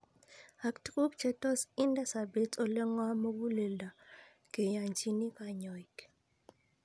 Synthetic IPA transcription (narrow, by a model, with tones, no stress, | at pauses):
a˨ktku˦kt͡ʃɛ˦tɔ˦si˦nda˦sa˨be˨˦t͡sʼɔ˦lɛ˦ŋwa˦mɔ˦ku˦le˨lda˨ | ke˨ja˨nt͡ʃi˦ni˦ka˨ɲɔ˨i˨k